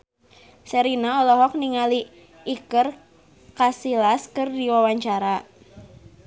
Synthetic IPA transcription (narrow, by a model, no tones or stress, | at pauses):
səɾinaɔlɔɦɔk̚niŋali | ʔːkər | kasilaskɨrdiwawaɲt͡ʃaɾa